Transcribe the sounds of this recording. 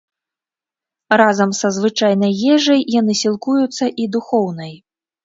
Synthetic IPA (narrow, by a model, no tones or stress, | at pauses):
razɐmsɐzvɨt͡ʂajnɐjjɛʐɐjːan̪ɨsʲilˠkujut̪sːɐʔid̪uxɔwnɐj